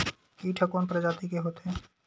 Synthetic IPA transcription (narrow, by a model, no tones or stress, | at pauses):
iʈʰəkoːnpɾəd͡ʒaːt̪ikeɦot̪ɦẽ